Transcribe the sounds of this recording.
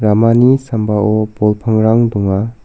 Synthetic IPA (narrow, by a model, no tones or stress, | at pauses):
ɾamanisambaʔɔbɔlpʰəŋɾaŋdɔŋa